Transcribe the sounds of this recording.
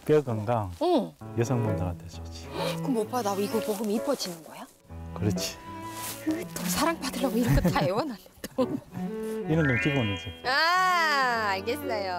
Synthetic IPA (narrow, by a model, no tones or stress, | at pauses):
p͈eɡɯŋɡaɯjesʰʌŋmondaɾat͈ed͡ʑʌt͡ɕʰi̥kɯmop͈adaiɡopoɡɯmiip͈ʰʌd͡ʑinɯnɡʌja | kɯɾʌt͡ɕʰi̥kɯt͈osʰaɾaŋpadɯɭːaɡoiɾʌkʰetaewʌnalːed̥o | inɯnomkiɡonːɯnsʰea | aɭɡesʌjo